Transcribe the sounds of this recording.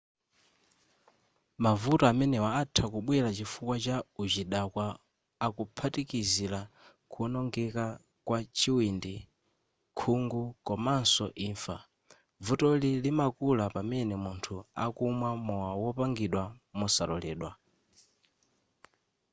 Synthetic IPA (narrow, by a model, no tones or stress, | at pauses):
mavutɔamɛnɛwaːtʰakuɓwiɾat͡ʃifukwat͡ʃaud͡ʒiɗakwaː | kupʰatikizila | kʰunɔŋɡɛka | kwat͡ʃiwindi | kʰuŋɡukɔmansɔ̰ʔiːɱfa | vutɔlilimakulapamɛnɛmuntʰua̰kumwamɔwawɔpaŋɡiɗwamɔsalɔ̰lɛːɗwa